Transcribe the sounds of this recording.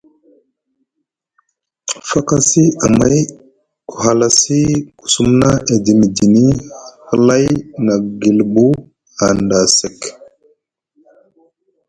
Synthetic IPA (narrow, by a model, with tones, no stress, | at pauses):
fa˦ka˦si˦a˨ma˦j | ku̥˨ɦa˨la˨si˦ku̥˨su˦mna˦ʔe˨di˨mi˨di˨ni˦hə˦la˦jna˨ɡi˨lbu˦ | a˨nda˨se˨k